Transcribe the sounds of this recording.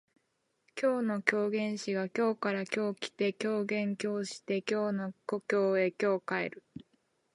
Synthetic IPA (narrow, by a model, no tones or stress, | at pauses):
kʲʰo̞ːno̞kʲo̞ːɡẽ̞ɰ̃ɕiɡakʲo̞ːkaɾakʲo̞ːkʲi̥t̪e̞kʲo̞ːɡẽ̞ŋkʲo̞ːɕi̥t̪e̞kʲo̞ːno̞ko̞kʲo̞ːe̞kʲo̞ːkae̞̰ɾɯ̟